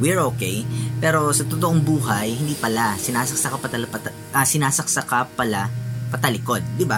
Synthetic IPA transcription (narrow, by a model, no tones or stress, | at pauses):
wiɹoːkɛjpɛːɾo̞sɐt̪ot̪oʔo̞ŋbuːɦɐjhɪnd̪iːpɐlasɪnaːsɐksɐkɐpɐt̪ɐlɐpɐt̪ | ʔɐsɪnaːsɐk̚sɐkapɐlapɐt̪ɐlɪko̞d̪̚ːɪba